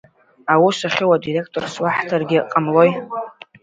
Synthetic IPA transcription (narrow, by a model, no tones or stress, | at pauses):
awisaχʲɪwadire̞kʰtʼo̞rswaħtʰarɡʲɪqʼamlo̞j